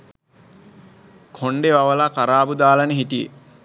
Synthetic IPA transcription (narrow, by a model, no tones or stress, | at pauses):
kʰoɳɖeʋaʋəlakaɾaːbud̪aːlənəɦiʈijḛ